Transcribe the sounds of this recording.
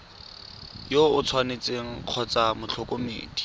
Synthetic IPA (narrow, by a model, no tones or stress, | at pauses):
joʊt͡sʰwanet͡seŋ̩q͡χʰɔt͡samʊt͡ɬʰɔkomḛːd̥i̥